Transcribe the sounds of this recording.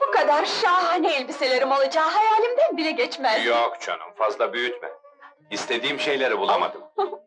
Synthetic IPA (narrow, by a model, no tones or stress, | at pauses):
b̥ukad̪aɾʃaːɦɯneilʲbiselʲe̞ɾimo̞lˠad͡ʒaːɦajaːlʲimd̪ænbilʲɛɟɛt͡ʃmæzjokt͡ʃʰa̰nɯ̰mfazlˠabyjyt̪mɪ̰ | ist̪ʰe̞d̪iːmʃe̞jlʲeɾibulˠama̰d̪ɯm